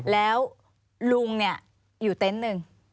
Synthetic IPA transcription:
lɛː˨˦w | lu˧əŋːa˧˩˨ | ju˨˩t̪e˨˦nːɨ˧ŋ

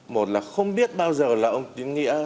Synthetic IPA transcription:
mo˨˩t̚laː˨˩xə˧wŋ͡mɓi˦˥ət̚ɓaː˧wzəː˨˩laː˨˩ʔə˧wŋ͡mt̪i˨˦nŋḭ˧˥ə

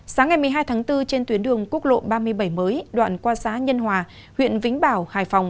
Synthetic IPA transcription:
saː˨˦ŋːa˨˩jmɨ˨˩əɦaː˧jt̪ʰaː˨˦ŋt̪ɨ˧t͡ɕe˧nt̪wi˨˦ənɗɨ˨˩əŋku˦˥k̚lo̰˧˨ɓaː˧mɨ˧əjɓə˧˩jməː˨˦jɗwa̰ː˧˨nkwaː˧saː˨˦ɲə˧nɦwaː˨˩ | hwḭ˧˨ənvï˨˦ŋ̟ɓaː˧˩whaː˧˩jfa˨˩wŋ͡m

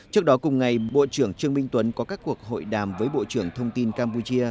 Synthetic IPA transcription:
t͡ɕɨ˦˥ək̚ɗɔ˨˦kʊ˨˩ŋ͡mŋa˨˩jɓo̰˧˨t͡ɕɨ˧˩əŋt͡ɕɨ˧əŋmi˧ŋ̟t̪wə˨˦nkɔ˨˦kaː˦˥kːu˨˩ək̚ɦo̰˧˨jɗaː˨˩mvəː˨˦jɓo̰˧˨t͡ɕɨ˧˩əŋt̪ʰə˧wŋ͡mt̪i˧nkaː˧mpu˧t͡ɕi˧ə

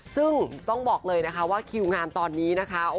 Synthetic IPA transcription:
sɯ˥˩ŋt̪ɔ˥˩ŋbɔː˨˩k̚lɤː˧jna˦˥kʰa˦˥waː˥˩kʰi˧wŋaː˧nt̪ɔː˧nːiː˦˥na˦˥kʰa˦˥ʔo˨˧

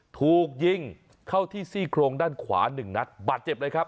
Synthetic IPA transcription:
t̪ʰuː˨˩k̚ji˧ŋ | kʰa˥˩wt̪ʰiː˥˩siː˥˩kʰɾoː˧ŋdaː˥˩nkʰwa̰ː˩˦nɯ˨˩ŋna˦˥t̪̚baː˨˩t̪̚t͡ɕe˨˩p̚lɤ˧jkʰɾa˦˥p̚

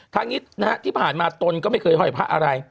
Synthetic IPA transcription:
t̪ʰaː˦˥ŋi˦˥t̪̚na˦˥ʔt̪ʰiː˥˩pʰaː˨˩nmaː˧t̪o˧nkɔː˥˩ma˥˩jkʰɤː˧jɦɔ˧˥˩jpʰa˦˥ʔa̰˧ɾa˧j

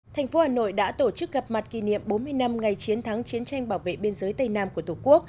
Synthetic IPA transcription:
t̪ʰɛ˨˩jŋ̟fo˨˦haː˨˩no̰˧˨jɗa̰ː˧˥t̪o˧˩t͡ɕɨ˦˥k̚ɣə˨˩p̚ma˨˩t̚kḭ˧˩nḭ˧˨əmɓo˨˦nmɨ˧əjna˧mŋa˨˩jt͡ɕi˨˦ənt̪ʰaː˨˦ŋt͡ɕi˨˦ənt͡ɕa˧jŋ̟ɓaː˧˩wvḛ˧˨ɓe˧ənzəː˨˦jt̪ə˧jna̰ː˧mku˧˩ət̪ʰu˧˩ku˦˥ək̚

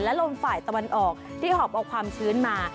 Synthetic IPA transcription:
lɛ˦˥lo˧mfaː˨˩jt̪a˧wa˧nʔɔː˨˩k̚t̪ʰiː˥˩hɔː˨˩p̚ʔɔː˨˩kʰwaː˧mt͡ɕʰɯː˦˥nmaː˧

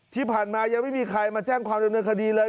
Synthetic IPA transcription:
t̪ʰiː˥˩pʰaː˨˩nmaː˧ja˧ŋma˥˩jmiː˧kʰɾa˧jmaː˧t͡ɕɛː˥˩ŋkʰwaː˧mda˧mnɤː˧nkʰa˧diː˧lɤː˧

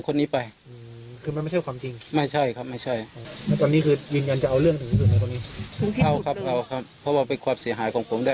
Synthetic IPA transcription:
kʰo˧nːiː˦˥pa˧jʔɯː˧˩ | kʰɯː˧ma˧nma˥˩t͡ɕʰa˥˩jkwaː˧mt͡ɕi˧ŋma˥˩jt͡ɕʰa˥˩jkʰa˦˥p̚ma˥˩jt͡ɕʰa˥˩ja˧˩t̪ɔː˧nːiː˦˥kʰɯː˧jɯː˧nja˧nt͡ɕa˨˩ʔa˧wlɯ˥˩əŋt̪ʰɯ˨˦ŋu˧˦suː˨˩a˧˦t̪ɔː˧niː˦˥ɯ˨˩˦ʔa˧˩wkʰa˦˥p̚ka˧˩wkʰa˦˥p̚ʰːɔ˧˥waː˧pe˧nkʰwaː˧msi˨˦ɐɦaː˩˦jkʰɔː˩˦ŋpʰo˩˦mdaː˧˩

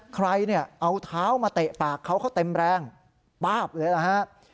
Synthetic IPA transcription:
kʰɾa˧jni˥˩ɐʔa˧wt̪ʰaː˦˥wmaː˧t̪e˨˩ʔpaː˨˩kʰːa˦˥wkʰa˦˥˩wt̪e˧mɾɛː˧ŋ | paː˥˩p̚lɤː˧jla˧˩hʰa˦˥ʔ

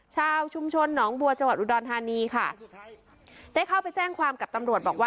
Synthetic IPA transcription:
t͡ɕʰaː˧wt͡ɕʰu˧mt͡ɕʰo˧nːɔː˩˦ŋbu˧ɐt͡ɕa˧ŋwa˨t̪̚ʔu˧˩dɔː˧nt̪ʰaː˧niː˧kʰa˥˩ | daː˥˩jkʰa˥˩wpa˧jt͡ɕɛː˥˩ŋkʰwaː˧mka˨˩p̚t̪a˧mɾu˨˩ət̪̚bɔː˨˩k̚waː˥˩

